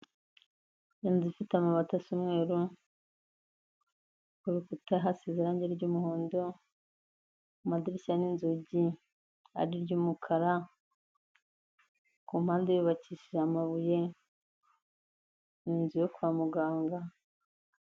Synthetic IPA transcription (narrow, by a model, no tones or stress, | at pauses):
jeːnzifitamaβatasumŋe̞ːɾu | kuɾukutaɦasiziɾaɲɟeɾɟumuhoːndo | umadiɾisaninzuɟi | a̰ɾiɾɟuːmukʰaɾa | kumaːndejuβaciʃiʒamaβuje̞ | ninzujokuwaːmuɡaːŋɡa